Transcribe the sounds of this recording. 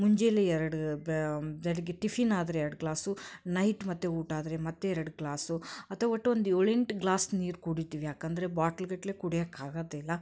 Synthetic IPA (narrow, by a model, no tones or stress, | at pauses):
muɲd͡ʒeleɛɾɐɽu | beɽɐɡeʈifʰinaːd̪ɾeɛɾɐɽɡlaːsunɐjʈmɐt̪ːeuːʈaːd̪ɐɾemɐt̪ːeɛɾɐɽɡɭaːsuɐt̪ʰɐɐʋɐʈːʋond̪uoɭeɳʈɡlaːsniːɾkuɽit̪iːʋijaːkɐnd̪ɐɾe̞baːʈɐlɡɐʈːlekuɽijɐkːaːɡɐd̪eilːɐ